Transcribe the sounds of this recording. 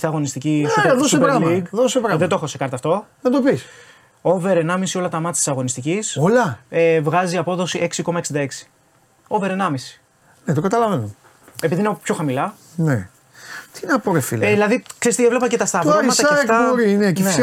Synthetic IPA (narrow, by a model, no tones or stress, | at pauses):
siɐɣo̞nist̪iciiðosepɾɐiɡðosepɾɐðet̪oe̞xosekɐɾt̪ɐːft̪o̞nɐd̪opis | o̞ve̞ɾenɐmisio̞lɐt̪ɐmɐt̪ʲt̪isɐɣo̞nist̪icisolɐevɣɐziɐpo̞ðo̞siʔe̞ksiko̞mɐeksind̪ɐe̞ksi̥ | o̞ve̞ɾe̞nɐmisi̥ | net̪okɐt̪ɐlɐveno | e̞piðinepço̞xɐmilɐ | ne | t̪inɐpoɾefilðilɐðikseist̪ievle̞pɐcet̪ɐst̪ɐvɐmɐt̪ɐeɐft̪ɐoɾiinecene